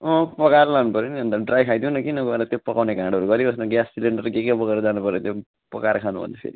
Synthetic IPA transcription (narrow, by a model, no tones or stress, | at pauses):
ʌ̃pʌkarlanupʌɾjoniɦʌ̃nt̪aɖrajkʰajd̪iũnʌkinʌɡʌeɾʌt̪jopʌkawnekãɽʌɾuɡʌɾiʌsnoɡjassileɳɖʌrɡekabʌɡeɾʌd͡zanupʌɾjot̪jo | pʌ̰kaɾkʰanubʱʌ̰nd̪apʰḛɾi